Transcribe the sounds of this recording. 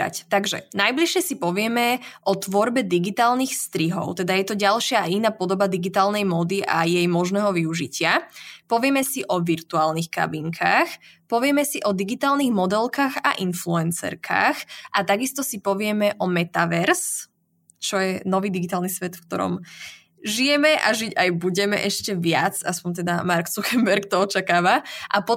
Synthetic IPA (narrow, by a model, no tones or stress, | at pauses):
a̰ct̪aɡʒɛ̰najbliʃɪɛsipɔʋɪɛmɛʔɔt̪ʋɔɾbɛd̪iɡit̪aːlnixst̪ɾiɦɔ̰ʊt̪ɛd̪ajɛt̪ɔɟalʃɪaːinaːpɔd̪ɔbad̪iɡit̪aːlnɛjmɔd̪iʔa̰jɛjmɔʒnɛɦɔʋiuʒicɪapɔʋɪɛmɛsiʔɔʋiɾt̪uaːlnixka̰biŋkʰaːx | pɔʋɪɛmɛsiʔɔd̪iɡit̪aːlniɣmɔd̪ɛlkaːɣa̰ʔinfluɛnsɛ̰ɾkʰa̰ːxʔat̪aɡist̪ɔsipɔʋɪɛmɛʔɔmɛt̪aʋɛɾs | t͡ʃɔjɛnɔʋiːd̪iɡit̪aːlnisʋɛt̪fkt̪ɔ̰ɾɔ̰m | ʒijɛmɛʔaʒiɟajbuɟɛmɛ̰ʔɛʃcɛʋɪat͡saspɔɲt̪ɛd̪amaɾksuxɛmbɛɾkt̪ɔɔt͡ʃakaːʋaʔapɔ